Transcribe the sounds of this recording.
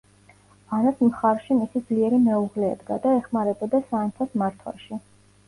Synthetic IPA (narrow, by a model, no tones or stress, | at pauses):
anasmχaɾʃimisid̪zliɛɾimɛuʁlɛ̰ːd̪ɡa̰d̪aɛχmaɾɛbɔd̪asaːnt̪sʰasmaɾt̪ʰwa̰ʃi